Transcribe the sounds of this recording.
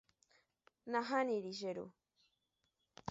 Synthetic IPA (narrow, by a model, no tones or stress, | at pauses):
naɦaniɾiʒeɾṵ